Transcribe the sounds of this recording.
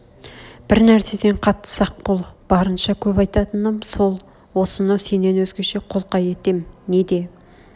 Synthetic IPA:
b̥ɪɾnæɾse̞d̪eɴqʰɑt̪ːə̥sɑq̚bolˠb̥ɑɾənʃɑkʲʰɵpɑjt̪ɑt̪ənəmso̞lˠ | wo̞sənəse̞nːe̞nwɵzɡʲe̞ʃe̞qʰo̞lˠqɑje̞t̪e̞mne̞d̪e̞

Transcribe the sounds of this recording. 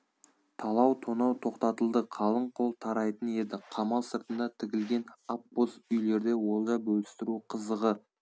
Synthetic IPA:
t̪ʰɑlˠɑwt̪ʰo̞nɑwt̪ʰo̞qt̪ɑt̪əlˠd̪əqʰɑlˠəɴqʰo̞lˠt̪ʰɑɾɑjt̪əne̞d̪ɪqʰɑmɑlˠsəɾt̪ənd̪ɑt̪ʰɪɡʲɪlɡʲe̞nɑpbozʏjle̞ɾd̪e̞wo̞lˠd̪ɑbɵlɪst̪ɪɾuqʰəzəʁə

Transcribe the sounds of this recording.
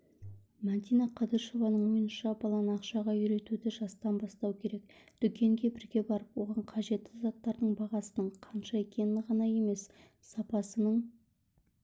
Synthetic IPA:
mɑnt̪ijnɑqʰɑd̪əɾʃo̞vɑnəɴwo̞jənʃɑbɑlˠɑnɑqʃɑʁɑʏɾe̞t̪ud̪ɪʒɑst̪ɑnbɑst̪ɑwkʲʰe̞ɾek̚d̪̥ʏkʲe̞ŋɡʲe̞bɪɾɡʲe̞bɑɾəpwo̞ʁɑɴqʰɑʒe̞t̪ʰːɪzɑt̪ːɑɾd̪əɴbɑʁɑsənəɴqʰɑnʃɑe̞kʲʰe̞nɪʁɑnɑje̞me̞s | sɑpɑsənəɴ

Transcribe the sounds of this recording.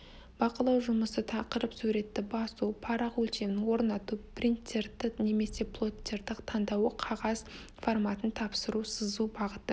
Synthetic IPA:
b̥ɑqəlˠɑwʒʊməsət̪ʰɑqəɾəpsuɾe̞t̪ːɪbɑsupʰɑɾɑqwɵlt̪e̞mɪnwo̞ɾnɑt̪uprint̪ʲːert̪ɪne̞me̞se̞plˠo̞tʲːe̞ɾd̪ɪqt̪ʰɑnd̪ɑwəqʰɑʁɑz | formɑt̪ənt̪ʰɑpsəɾusəzubɑʁət̪ə

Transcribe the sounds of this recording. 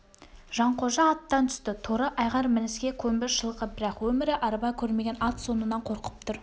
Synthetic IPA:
ʒ̥ɑɴqʰo̞ʒɑːt̪ːɑnt̪ʰʏ̥st̪ɪt̪ʰoɾəʔɑjʁɑɾmɪnɪskʲe̞kʲʰɵmbɪɾʃəlˠqəbɪɾɑqwɵmɪɾɪʔɑɾbɑjkʲʰɵɾme̞ɡʲe̞nɑt̪so̞nənɑɴqʰo̞ɾqə̥p̚t̪ʰʊɾ

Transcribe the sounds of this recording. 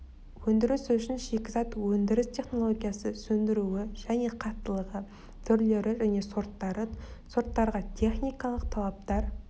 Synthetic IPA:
wɵnd̪ɪɾɪsʏʃɪnʃe̞kʲɪzɑt̪wɵnd̪ɪɾɪst̪ʰʲe̞χno̞lˠoɡʲijasəsɵnd̪ɪɾuɪʒ̥æne̞qʰɑt̪ːəlˠəʁə | t̪ʰʏɾle̞ɾɪʒæne̞soɾt̪ːɑɾəso̞ɾt̪ːɑɾʁɑt̪ʲʰe̞χnijkɑlˠəq̚t̪ʰɑlˠɑp̚t̪ɑɾ

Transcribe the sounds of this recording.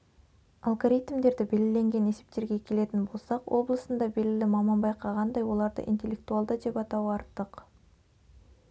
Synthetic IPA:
ɑlˠɡo̞ɾit̪md̪e̞ɾd̪ɪbe̞lɪle̞ŋɡʲe̞ne̞se̞̥p̚t̪e̞ɾɡʲe̞kʲʰe̞le̞t̪ɪnbo̞lˠsɑqwʔo̞blˠəsənd̪ɑbe̞lʲɡʲɪlɪmɑmɑnbɑjqʰɑʁɑnd̪ɑjwo̞lˠɑɾd̪ə̰ʔḭnt̪ʲe̞lʲːe̞k̚t̪ualˠd̪əd̪e̞pɑt̪ɑwɑɾt̪ːəq

